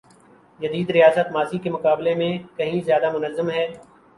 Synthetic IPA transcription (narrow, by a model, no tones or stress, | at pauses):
jɐd̪iːd̪ɾijaːsət̪maːsikemʊkaːblemẽkɐɦĩzjaːd̪amʊnəzːəmɦɛː